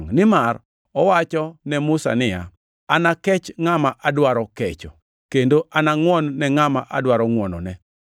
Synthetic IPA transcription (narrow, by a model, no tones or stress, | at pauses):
ŋnɪmar | ɔwat͡ʃɔnɛmʊsa̰nɪja̰ | anakɛt͡ʃŋamaʔadwaɾɔkɛt͡ʃɔ | kendoʔanaŋwɔnːɛŋamaʔa̰dwaɾɔŋwɔnɔnɛ